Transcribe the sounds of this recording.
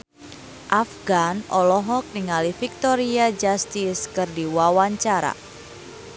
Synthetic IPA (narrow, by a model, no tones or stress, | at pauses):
ʔafɡanʔɔlɔɦɔk̚niŋalifik̚t̪ɔɾiad͡ʒast̪iskɨrdiwawaɲt͡ʃaɾa̰